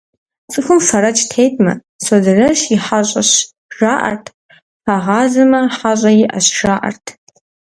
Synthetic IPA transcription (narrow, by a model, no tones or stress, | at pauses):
t͡sʼɨxɨmʂaɾɐt͡ʃʰʼtʰejtʼmɐ̰ | sozɨrɐʃiħaɕʷʼaɕ | ʒ̥aːʔɐ̰rtʰ | pʰaʁɑːzɐmɐħaɕʷʼɐjɪʔa̰ɕʒaːʔa̰rtʰ